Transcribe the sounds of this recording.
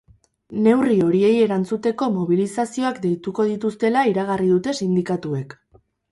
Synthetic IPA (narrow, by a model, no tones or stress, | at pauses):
ne̞wrio̞ɾie̞je̞ɾant͡sut̪e̞ko̞mo̞β̞ilisasio̞akd̪e̞jt̪uko̞ð̞it̪ust̪e̞laiɾaɣ̞ariðut̪e̞sind̪ikat̪ue̞k